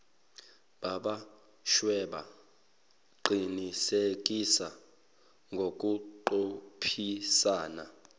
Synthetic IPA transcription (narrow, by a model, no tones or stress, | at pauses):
ɓaɓa | ʃwɛɓa̰ | ǃinisek̬ʼisa | ŋɡʱok̬ʼuǃopʰisaːna̰